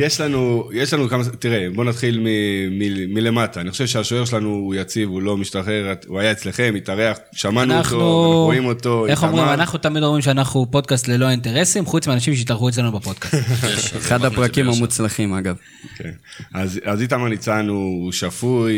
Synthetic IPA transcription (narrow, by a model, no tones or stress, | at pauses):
jeʃlanujeʃlanukamat̪iʁebo̞nat̪χilmimimile̞mataːniχoʃevʃeaʃoeʃelanuːjat͡sivulo̞miʃtaχe̞ʁuajaet͡sle̞χe̞mitaʁeaχ | ʃamanunːχnouoimo̞t̪o̞eχomʁimanaχnut̪amid̪omimʃeanaχnupo̞d̪̚kast̪lelo̞int̪e̞ʁe̞simχut͡smeanaʃ̬imʃ̬eit̪aʁxuet͡slanubapo̞d̪kasteχad̪hapʁakimamut͡slaχimaɡav | kʰḛnazazit̪̬amanit͡sanuːʃafuj